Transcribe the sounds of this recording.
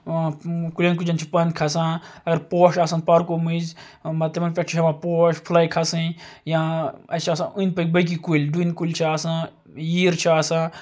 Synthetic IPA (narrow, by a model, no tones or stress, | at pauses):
kulʲɐnk̬ud͡ʒɐnt͡ʃʰipɐnkʰɐsãɐɡɐɾpoːʃaːsɐnpɐɾkomiz | mɐt̪ɐmunpʲɐkt͡ʃʰiɐmãpoːʃpʰulaːikʰɐsĩjãɐt͡ʃʰaːsãʔunpɐk̚ʲbɐk̬ikulʲdunkulʲt͡ʃʰiaːsã | jiːɾt͡ʃʰaːsãː